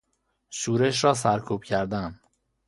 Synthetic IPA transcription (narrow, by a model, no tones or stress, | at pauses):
ʃuːɾeʃɾɒːs̬æɾkʰuːb̥̚cʰæɾd̪æn